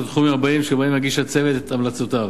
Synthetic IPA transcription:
t̪χumiaʁbaimʃeaʁbaimhaɡiʃat͡se̞vet̪et̪amlat͡sot̪av

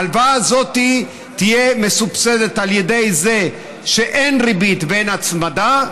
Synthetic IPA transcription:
lvaːzo̞ti | t̪ijemesupsedet̪aljede̞jze̞ | ʃe̞ʔenʁibit̪benat͡smada

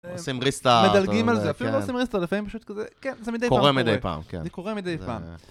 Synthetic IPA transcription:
osimʁist̪amed̪alɡimalzeafilulosimʁist̪alifamimpaʃut̪̚kazekenzemid̪ejpkoaʁemid̪ejpa̰ːmkḛnzikoʁemid̪ejpa̰ːm

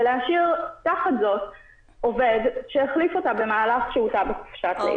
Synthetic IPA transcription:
leaʃiʁt̪aχatzo̞t | o̞ve̞dʃeeχlifo̞tabe̞maːlaχʃeutabeχu̥fʃatlḛ

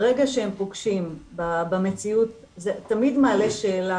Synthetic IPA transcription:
ʁeɡaʃehempoɡʃimbabamet͡siut̚ | zetamidmaːle̞ʃeːla

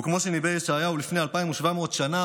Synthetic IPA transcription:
kmo̞ʃenibejʃeajaulifne̞alpaimuʃvamo̞ːt̪ʃana

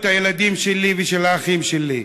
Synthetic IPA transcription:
t̪ajelad̪imʃeliveʃelaːχimʃeli

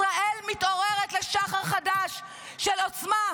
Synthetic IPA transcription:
ʁaelmit̪o̞ʁeʁet̪leʃaχaʁχadaʃː | elo̞t͡sma

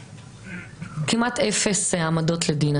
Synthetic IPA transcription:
kimʔat̪efeseamad̪o̞t̪led̪ina

